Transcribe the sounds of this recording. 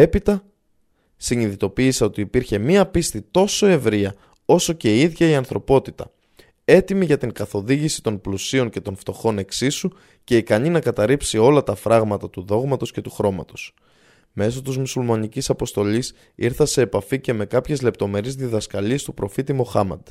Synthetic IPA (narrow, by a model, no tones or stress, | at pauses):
e̞pit̪ɐ | siɲiðit̪o̞piːseo̞t̪iːpiɾçe̞miɐpist̪it̪o̞so̞e̞vɾiɐ | o̞so̞ce̞iðʝɐiɐnθɾo̞po̞t̪it̪ɐ̰ | e̞t̪imiʝɐt̪iŋkɐθo̞ðiʝisi̥t̪o̞nplusio̞ɲce̞t̪o̞nft̪o̞xo̞ne̞ksisu | ce̞ikɐɲinɐkɐt̪ɐɾipsio̞lɐt̪ɐfɾɐɣmɐt̪ɐt̪uðo̞ɣmɐt̪o̞sce̞t̪uxɾo̞mɐ̰t̪o̞s | me̞s̬o̞t̪izmusulmɐnicisɐpo̞st̪o̞ʎis | iɾθɐse̞ːpɐfice̞me̞kɐpçe̞zle̞pt̪o̞me̞ɾizðiðɐskɐʎiest̪upɾo̞fit̪imo̞xɐmɐ̰d̪̥